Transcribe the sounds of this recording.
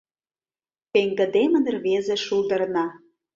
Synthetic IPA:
peŋɡə̆d̪emə̆nə̆rβezĕʃuld̪ɤ̆rnɑ

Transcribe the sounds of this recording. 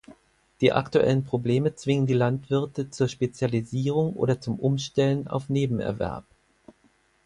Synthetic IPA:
d̥iːʔa̰ktuʔɛ̰lənpʁ̥obleːmət͡sv̥ɪŋəndiːlantv̥ɪɐtət͡suːɐʃpet͡sjaliziːʁ̞ʊŋʔo̰ːdɐt͡sʊmʔʊmʃtɛləna̰ʊfneːbm̩ɛ̰ɐvɛ̰ɐp

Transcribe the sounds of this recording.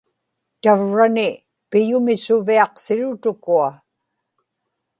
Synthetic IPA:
t̪avɻanɪ | pɪjʊmɪsʊviɑqsɪɻʊt̪ʊkua

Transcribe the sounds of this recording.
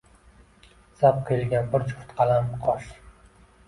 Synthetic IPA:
sap̚qʰelɡʲanbʊɾt͡ʃʰʊ̥ft̪qʰɑlamqʰɒʃ

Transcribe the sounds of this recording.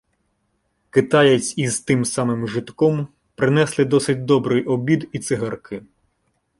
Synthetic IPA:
kɪt̪ɑjɐt͡sʲizt̪ɪmsɑmɪmʒɪt̪kɔm | pɾɪnɛslˠɪd̪ɔsɪt̚ʲd̪ɔbɾɪjʔɔbʲid̪it̪sɪɦɐrkʰɪ

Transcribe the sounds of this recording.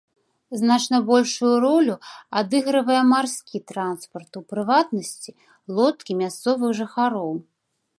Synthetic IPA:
znat͡ʂnɐbɔlʲʂujuɾɔlʲuad̪ɨɣɾɨvɐjɛmarskʲit̪ɾanspɐrt̪upɾɨvat̪nɐsʲt͡sʲi | lˠɔt̪kʲimʲast̪sɔvɨxʐɨxaɾɔw

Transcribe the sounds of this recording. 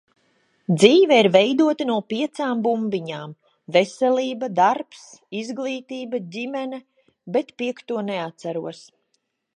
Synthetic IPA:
d̪ziːvɛiɾvejd̪uɔt̪anuɔpiɛt̪saːmbumbiɲaːm | vesɛlʲiːbad̪aɾpsizɡlˠiːt̪iːbaɟʲimɛnɛ | bɛt̪piɛkt̪uɔneat̪saɾuɔs

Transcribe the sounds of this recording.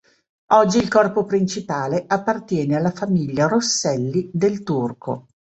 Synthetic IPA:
ɔd͡ʒːiːlkɔrpopɾint͡ʃipaːleʔapːart̪jɛːnealːafamiʎːaɾosːɛlːid̪elt̪urkʰo̰

